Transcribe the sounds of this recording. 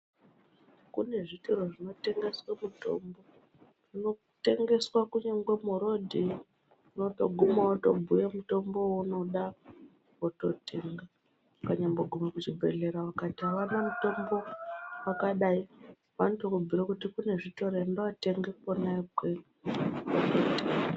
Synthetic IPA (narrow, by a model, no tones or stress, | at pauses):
kune̞ʐitiɾo̞ʐino̞te̞ŋɡe̞swamuto̞̰mbo̞ | ʐino̞ | te̞ŋɡe̞swakuɲeŋɡwemoɾo̞dʱi | uno̞to̞ɡʱumawoto̞bʱujemuto̞mbouno̞ɗa | woto̞te̞ŋɡa | paɲamboɡʱumakut͡ʃibʱe̞̰ɮe̞ɾawakatiɦaʋanamuto̞mbo̞wakaɗai | ʋanoto̞kub͡vʱiɾakutikune̞ʐito̞ɾoindoate̞ŋɡeponaebwe | ototeŋɡa